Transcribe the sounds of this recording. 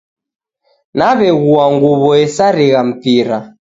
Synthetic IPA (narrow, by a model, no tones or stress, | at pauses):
naβɛɣuaŋɡuβɔɛsaɾiɣam̩piɾa